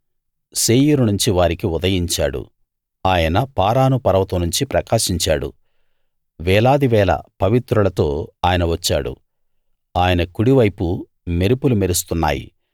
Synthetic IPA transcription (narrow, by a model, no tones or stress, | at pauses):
seːjuɾunuɲt͡ʃiʋaːɾikiud̪ɐjiɲt͡ʃa̰ːɽṵ | aːjɐnɐpaːɾaːnupɐɾɐʋɐt̪unuɲt͡ʃipɾɐkaːʃiɲt͡ʃaːɽṵ | ʋɛːlaːd̪iʋɛːlɐ̰pɐʋit̪ɾulɐt̪o̞ːaːjɐnɐʋɐt͡ʃːa̰ːɽṵ | aːjɐnɐkuɽiʋɐjpu | me̞ɾipulumeɾust̪unːa̰ːjḭ